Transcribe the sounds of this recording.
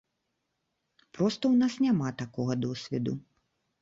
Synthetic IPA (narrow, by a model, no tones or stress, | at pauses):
pɾɔst̪ɐwnasnʲamat̪akɔɣɐd̪ɔsʲvʲɛd̪u